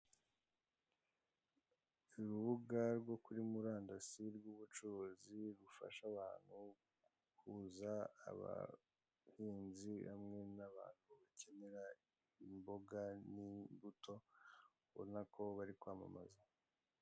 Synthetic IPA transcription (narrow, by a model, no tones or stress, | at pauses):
iɾuβuɡaɾɡo̞kuɾimuɾaːndasiɾɡuβut͡ʃuɾoziɾufa̰ʃaβaːn̥hu | kuza̰ːβa̰ | hiːnziha̰mŋe̞naβa̰ːn̥huβace̞ne̞ɾa | imbo̞ɡanimbutʰo̞ | βo̰nakʰo̞βaɾikwaːma̰ma̰za